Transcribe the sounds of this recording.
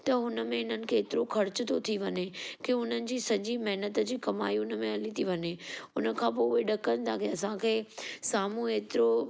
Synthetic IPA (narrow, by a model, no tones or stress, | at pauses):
t̪ɐɦʊnə̆mẽɪn̤ənɪ̆kʰeːt̪ɪɾokʰɐɾt͡ɕʊt̪ʰot̪ʰiʋɐɲekeʊn̤ənɪ̆d͡ʑiːsɐd͡ʑimɐɦnət̪̆d͡ʑiːkɐma̰ːiʊnə̆mẽɐlit̪ʰiʋɐɲeʊnə̆kʰãːpoːʊɦeɗɐkənɪ̆t̪ʰakeɐsãkʰeːsaːmũeːt̪ɪɾo